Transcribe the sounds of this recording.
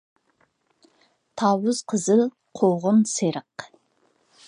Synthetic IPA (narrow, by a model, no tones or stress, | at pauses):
t̪ʰɑwʊz̥qʰəzɨl | qʰoʁʊnseɾəq